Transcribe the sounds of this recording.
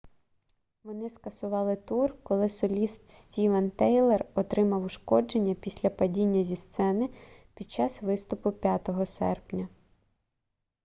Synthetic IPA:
ʋɔnɪskɐsʊʋɑlˠɪt̪urkɔlˠɪsɔlʲist̪sʲtʲiʋɐnt̪ɛjlˠɛrɔt̪ɾɪmɐwʊʃkɔd͡ʒenʲːɐpʲisʲlʲɐpɐdʲinʲːɐzʲist̪sɛnɪpʲid̪̥̚t͡ʃɑsʋɪst̪ʊpʊpʲjat̪ɔɦɔsɛ̰rpnʲɐ

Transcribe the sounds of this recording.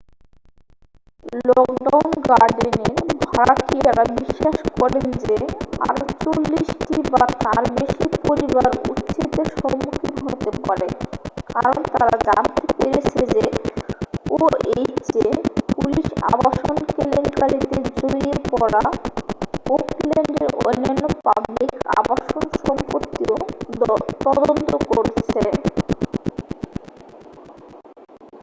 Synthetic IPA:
lɔkɖawnɡaɾɖeneɾbʱaɾakʰiɛɾabiʃːaʃkɔɾlend͡ʑea̰ɾot͡ɕolːiʃʈibat̪aɾbeʃipoɾibaɾṵt̪ːt͡ɕit̪eɾʃɔmukʰit̪ɦot̪epaɾekaɾont̪aaɾad͡ʑant̪epeɾet͡ɕʰed͡ʑe | oet͡ɕepuliʃa̰baʃonkelenkalit̪ed͡ʑoɾiepɔɾa | okleɳɖeɾonːonːopablika̰baʃonʃɔmpot̪ːio | t̪ɔd̪ont̪okoɾt͡ɕt͡ɕʰe

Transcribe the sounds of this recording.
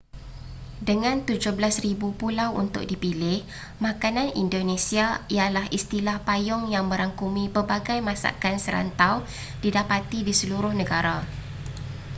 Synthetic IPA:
dəŋãnt̪ud͡ʒʊhbəlasribupulawʔṵnt̪ʊ̰k̚dipilɪh | mãkanãnḭndonẽsiaijalahist̪ilahpajʊŋjaŋməɾaŋkumĩpəbaɡajmãsa̰kansəɾa̰nt̪aw | d̥idapat̪idisəluɾʊhnə̃ɡaɾa

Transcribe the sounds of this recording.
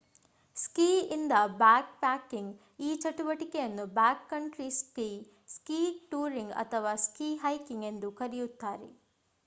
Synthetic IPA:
skiːind̪ɐbaːk̚paːkːiŋɡ | iːt͡ʃɐʈuʋɐʈikejɐnːubaːkːɐɳʈɾiskiː | skiːʈuːɾiŋɡɐ̰t̪ʰɐʋaːskiːɦɐjkiŋɡe̞nd̪ukɐɾijut̪ːaːɾḛ

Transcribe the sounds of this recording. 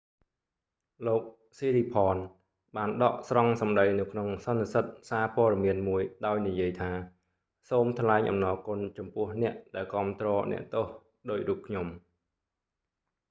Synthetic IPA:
loːk̚ | siːɾiːpʰɑːn | ɓaːnɗɑʔsrɑŋsɑmɗəjnɨwkʰnoŋsɑnːisət̪̚saːpoəɗɑmiənmuəjɗaɔjnijiəjt̪ʰaː | soːmt̪ʰlaɛŋʔɑ̰mnɑːkʊ̆nt͡ɕɑmpʊ̆əhnɛ̆əʔɗaɛlkŏəmt̪rɔːnɛ̰̆əʔt̪oːh | ɗoːc̚ruːp̚kʰɲom

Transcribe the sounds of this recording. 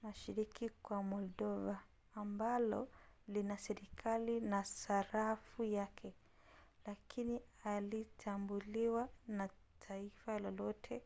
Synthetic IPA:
naʃiɾikikwamɔldɔvaː | mbalɔlinasɛɾikʰalinasaɾafujakʰɛ | lakʰinialitʰambuliwana | tʰaifalɔlɔtʰɛ

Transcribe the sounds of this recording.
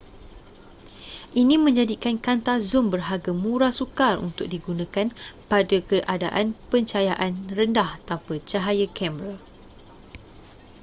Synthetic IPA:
ʔinĩmə̃ɲd͡ʒadikankant̪azʊmbərɦaɡamũɾasukarṵnt̪ʊk̚diɡunãkanpadakəʔadaʔanpəɲt͡ʃajaʔanrəndaht̪ampat͡ʃaɦajakɛmɾa

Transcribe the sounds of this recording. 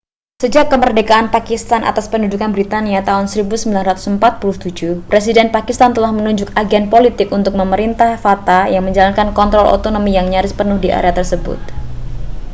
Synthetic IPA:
səd͡ʒakːəmərdekaʔanpakist̪anʔa̰t̪aspəndud͡ʒukanbɾit̪aniat̪aʊnsəɾibusəmbilanrat̪u̥səmpat̪̚pulʊht̪ud͡ʒupɾes̬idɛnpakist̪ant̪əlahmənuɲd͡ʒʊk̚aɡɛnpolit̪ɪkunt̪ʊk̚məməɾint̪ahfat̪ajaŋməɲd͡ʒalankankɔnt̪ɾɔlo̰t̪onomijaŋɲaɾʊspərnʊhdiʔa̰ɾeat̪ərsəbʊ̰t̪̚

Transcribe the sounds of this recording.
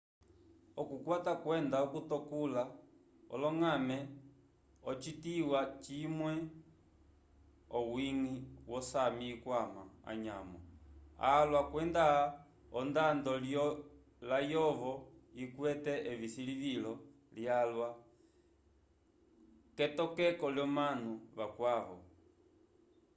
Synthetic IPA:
ɔkukwatakwɛndaɔkutɔkula | ɔ̰lɔŋamɛ | ɔt͡ʃitiwat͡ʃimwɛ | ɔwiŋiwɔsamiːkwama̰a̰ɲa̰mɔ̰a̰lwakwɛnda | ɔndandɔljɔ | lajɔʋɔikwɛtɛʔɛβisiliβilɔ | ljalwa | kɛtɔkɛkɔljɔmanuβakwaʋɔ̰

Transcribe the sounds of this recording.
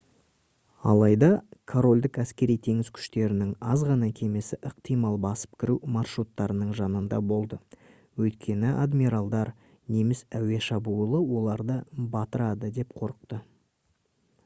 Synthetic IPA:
ɑ̰lˠɑjd̪ɑkʰoɾo̞lʲd̪ɪkæskʲe̞ɾijt̪ʰe̞ŋɪzkʲʰʏ̥ʃt̪e̞ɾɪnɪŋɑzʁɑnɑkʲʰe̞mesɪʔəq̚t̪ʰijmɑlˠbɑsə̥p̚kʲʰɪɾumɑrʃɾut̪ːɑɾənəɴʒɑnənd̪ɑ̰bo̞lˠd̪ə | wɵjt̪̚kʲʰe̞nɪʔad̪miɾalˠd̪ɑɾ | ne̞mɪsæwe̞ʃɑbulˠəwo̞lˠɑɾd̪əbɑt̪əɾɑd̪əd̪e̞p̚qʰo̞ɾəq̚t̪ə

